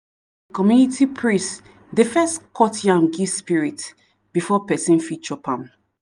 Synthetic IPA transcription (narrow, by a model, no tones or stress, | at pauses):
kɔmjunitʰipʰɹĩst | defɛstkʰɔtjãnɡispiɹit | b̥ifɔpɛsĩnfit͡ʃɔpʰãm